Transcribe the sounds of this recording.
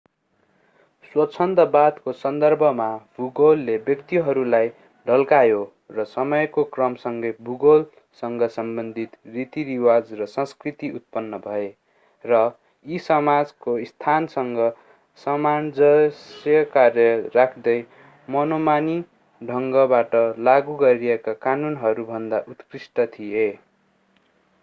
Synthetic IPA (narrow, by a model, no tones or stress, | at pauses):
swʌt͡sʰʌnt̪ʌbad̪kosʌnd̪ʌrbʱʌmabʱuɡolːebjʌkt̪iɦʌɾulaj | ɖʱʌlkajo | rʌsʌmʌjkokrʌmsʌŋɡʌjbʱuɡol | sʌŋɡʌsʌmbʌnd̪ʱit̪rit̪iɾiwad͡zrʌsʌ̃skrit̪iut̪̚pʌnːʌbʱʌe | rʌ | isʌmad͡zkoist̪ʰansʌŋɡʌ | sʌmand͡zʌsjʌkarjʌrakʰd̪ʌj | mʌnomani | ɖʱʌŋɡʌbaʈʌlaɡuɡʌɾiekakanunɦʌɾubʱʌnd̪aʔut̪krisʈʌt̪ʰije